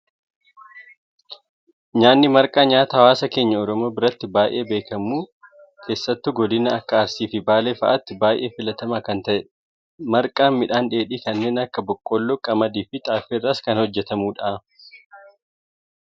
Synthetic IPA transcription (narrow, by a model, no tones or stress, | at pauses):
ɲaːnːɪmɐɾkʼaːɲaːt̪ɐɐwaːsɐke̞ːɲːɐɔɾɔmoːbɪɾɐt̪ːɪbaːjʔe̞̰ːbeːkɐmuː | kʰe̞ːsːɐt̪ːʊɡɔd̪ɪnɐɐkːɐːɾsiːfɪbaːleːfɐ̰ʔɐt̪ːɪbaːjʔe̞ːfɪlɐt̪ɐmaːkɐnt̪ɐʔɛᶑ | mɐɾkʼaːmɪᶑaːnᶑe̞ːᶑiːkɐnːe̞ːnɐkːɐbɔkʼːɔlːoːkʼɐmɐd̪iːfɪt̪ʼaːfɪrːaːskɐnhɔd͡ʒːɛt̪ɐmuːᶑaː